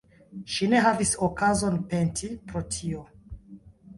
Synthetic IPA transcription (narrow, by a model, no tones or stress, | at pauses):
ʃine̞ɦavisokazo̞npe̞ntʰipɾo̞tʰio̞